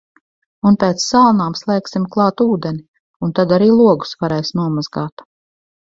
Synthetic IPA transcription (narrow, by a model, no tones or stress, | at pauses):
unpʲɛːt̪ssalˠnaːmslˠɛːksimklˠɑːt̪uːd̪ɛni | unt̪ad̪aɾiːlˠuɔɡu̥svaɾɛjsnuɔmazɡaːt̪